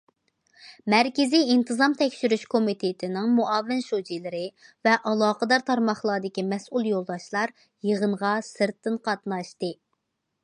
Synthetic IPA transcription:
mɛɾkʲɪzijint̪ʰɨzɑmt̪ʰɛkʲʃyɾyʃkʰomit̪ʰɪt̪ʰɪnɪŋmoʔɑvɪnʃod͡ʒilˠɪɾɪvɛʔɑlˠɑːqəd̪ɑɾt̪ʰɑɾmɑχlˠɑːd̪ɪkʲimɛsulˠjolˠd̪ɑʃlˠɑɾ | jəʁənʁɑsɨɾt̪ːɨnqɑt̪nɑʃt̪ɨ

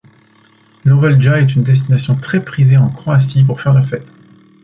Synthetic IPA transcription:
lɔʁɛlʒaɛt̪ynd̪ɛs̬t̪inasjɔ̃t̪χɛpχizeɑ̃kχoasip̬uʁfɛʁlafɛt̪

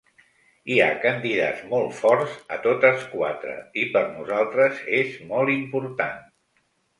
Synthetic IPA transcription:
ia̰kənd̪iða̰zmɔlˠt̪fɔɾzət̪ot̪əskwa̰t̪ɾə̰ipəɾnuzalˠt̪ɾəzezmɔlˠimpuɾt̪an

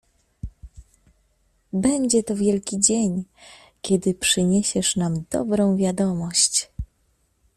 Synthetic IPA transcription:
bɛɲd͡ʑɛt̪ɔvʲjɛlkʲid͡ʑeɲ | kʲɛd̪ɘpʂɘɲeɕɛʂnamd̪̥ɔ̰bɾɔ̃w̃vʲjad̪ɔmɔɕt͡ɕ

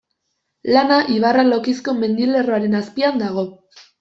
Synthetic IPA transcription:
lanaʔiβaralo̞kisko̞me̞nd̪ile̞roaɾe̞naspiand̪aɣ̞o̞

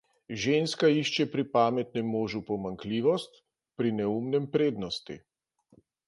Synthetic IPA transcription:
ʒeːnskaiʃt͡ʃɛpɾipaːmɛt̪nɛmːoːʒupɔmaŋkliːʋɔst̪ | pɾinɛumnɛmpɾeːd̪nɔst̪ḭ

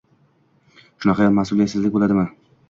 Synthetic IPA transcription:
ʃʊnɑqʰɑjɒlˠmasʊlˠijat̪sɪzlɪk̚ʲbolad̪ɪman

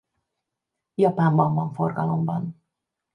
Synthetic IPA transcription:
jɒpaːɱbɒɱvɒɱforɡɒlo̞mbɒn

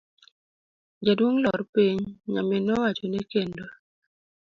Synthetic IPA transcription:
d͡ʒadwoŋlɔɾpiɲŋa̰menɔwat͡ʃonɛkendo

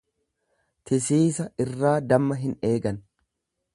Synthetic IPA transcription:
t̪ʰɪs̬iːsɐɪrːaːd̪ɐmːɐɦɪne̞ːɡɐn

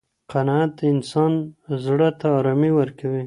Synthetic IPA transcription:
qanɑat̪ɪnsɑnzɽət̪aːɾɑmiwəɾkawi

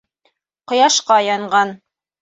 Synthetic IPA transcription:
qŏjɑʃqɑjɑɴɢɑn

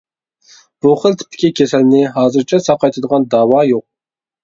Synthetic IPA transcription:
b̥uχəlt̪ʰɪ̥p̚t̪ʰːɪ̥kʲikʲʰesɛlɪnɪɦɑːzɨɾt͡ʃʰɛsɑqɑjt̪ʰɨd̪əʁɑnd̪ɑːwɑjoq̚

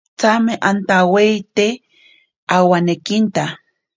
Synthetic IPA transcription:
t͡sameʔant̪aweit̪e | awanekint̪a

